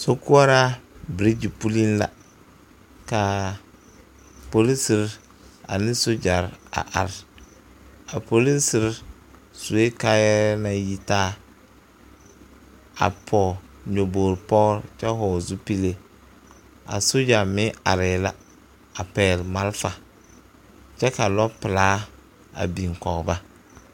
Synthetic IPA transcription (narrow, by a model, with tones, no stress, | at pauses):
so˦ku˦a˦ɾa˦bɾi˦d͡ʒi˨pu˦li˦nla̰˨ | ka˨ | po˨li˦sɪ˨ɾ | a̰˨nɪ˦so˦d͡ʒa˨ɾa̰˨ʔa̰˨ɾɪ˨ | a˨po˨li˦n˦sɪ˨˦ɾ | su˨e˦ka˦jɛ˦ɾna˨ji˦taː˦ | a̰˨pʰɔ˨ɲo˨boː˨ɾpɔː˦ɾt͡ʃɛ˦ɦɔ˨zu˦pi˦le˦ | a̰˨so˦d͡ʒa˨mɪ˦a̰˨ɾɪ˨la˦ | a˨pɛː˨lma˦lfa˨ | t͡ʃɛ˦ka˨lɔ˦pɪ˨laː˦ | a̰˨bi˨ŋ˨kɔ˨ɣba˦